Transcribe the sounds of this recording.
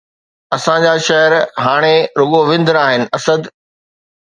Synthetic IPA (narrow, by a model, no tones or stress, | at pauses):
ɐsãd͡ʑaʃɐɦəɾɦaːɽ̃eɾʊɠoʋɪ̃nd̪əɾaːɦɪnɪ̆ʔɐsəd̪